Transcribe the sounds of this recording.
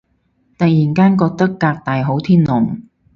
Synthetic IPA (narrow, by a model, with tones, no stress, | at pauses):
t̪ɐ˨k̚jiː˨˩nkaː˥nkɔː˧k̚t̪ɐ˥kːaː˧k̚t̪aː˨jɦo˨˥wt̪ʰiː˥nlʊ˨˩ŋ